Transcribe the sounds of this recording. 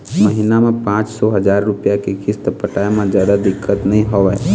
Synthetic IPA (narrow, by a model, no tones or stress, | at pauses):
məɦinamẽpãːt͡ʃsɔɦɐd͡ʒaːɾːʊpjakekɪst̪əpəʈaːjmẽd͡ʒəd̪ad̪ɪkʰːət̪nɐɦĩɦoʋɛ